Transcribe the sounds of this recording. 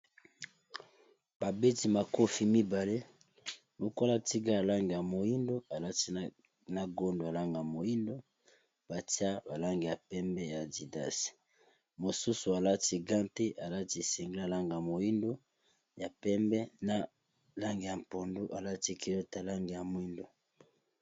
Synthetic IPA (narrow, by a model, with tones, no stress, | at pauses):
b̥a˨be˦ti˦ma˨ko˦fi˨mi˦ba˨le˦ | lo˨ko˦la˦ti˦ɡa˦a˨la˦ŋɡe˨ja˨mo˨ji˦ndo˦a˨la˦ti˦ | na˦˨ɡo˦ndo˨a˨la˦ŋɡa˨ja˨mo˨ji˦ndo˦ | b̥a˨ti˦a˦ba˨la˦ŋɡe˨ja˨pɛ˦mbɛ˦ja˨di˨da̰˦si̥˨ | mo˨su˦su˨a˨la˦ti˦ɡã˦nte˦ʔa˨la˦ti˦˨se˨ŋɡla˨la˦ŋɡa˨mo˨ji˦ndo˦ | ja˨pɛ˦mbɛ˦na˦ | la˦ŋɡe˨ja˨m˨po˨ndo˦ʔa˨la˦ti˦ki˨lo˦ta˨la˦ŋɡe˨ja˨mo˨˦i˦ndo˨